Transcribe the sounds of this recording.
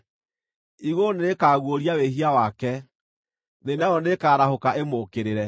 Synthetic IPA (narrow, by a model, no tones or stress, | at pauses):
iɣoneɾekaːɣwoɾiaweɦiawakɛ | nenaɔnekaːɾahokaemokeɾeɾɛ